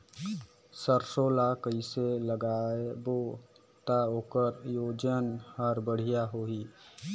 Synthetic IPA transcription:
səɾsoːlakəiseləɡaːebo | t̪aɦoːkəɾjoːd͡ʒənhəɾbəɽ̤ijaɦoːɦiː

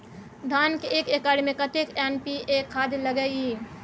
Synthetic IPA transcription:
d̪ʱaːnkeeːkeːkaːɽmẽkət̪ekɛːnpiekʰaːd̪ləɡəi

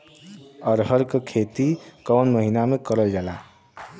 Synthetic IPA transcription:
əɾɦəɾkekʰet̪ikɔwnməɦinamekəɾəld͡ʒala

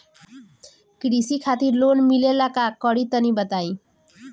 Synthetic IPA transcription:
kɾisikʰat̪iɾlonmilelakakɔɽit̪ənibət̪ai

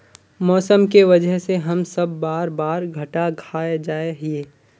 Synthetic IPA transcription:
mɔːsəmkeʋɐd͡ʒəɦseɦɐmsɐbːaːɾbaːɾɡʱɐʈaɡʱʰaːed͡ʒaːeɦieː

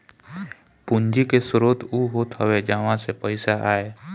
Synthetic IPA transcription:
pʊ̃ɲd͡ʒikesʊɾoːt̪uɦoːt̪ɦəʋed͡ʒaʋãsepəɪsaʔaːeː

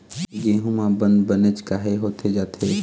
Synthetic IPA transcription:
ɡeːɦumãbə̃nd̪bənet͡ʃkaːɦeɦoːt̪ʰed͡ʒaːt̪ʰe

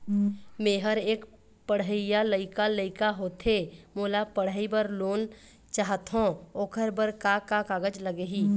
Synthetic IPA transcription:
mẽːɦəɾeːk | pəɽ̤əɪjaləɪkaləɪkaɦot̪ʰemoːlapəɽ̤əibəɾloːn | t͡ʃaɦət̪ɦõoːkʰəɾbəɾkakakaːɡəd͡ʒləɡeɦi

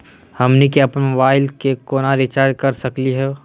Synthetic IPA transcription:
hɐmnik̬eɐpnmobaːɪlkekoːnaɾɪt͡ʃaːɾɖ̚kəɾsəkliɦɛ

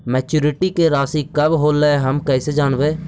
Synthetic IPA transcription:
mɛːt͡ʃuːɾɪʈiːkeɾaːsiːkəbɦoːleɦəmkɛɪseːd͡ʒaːnʋeː

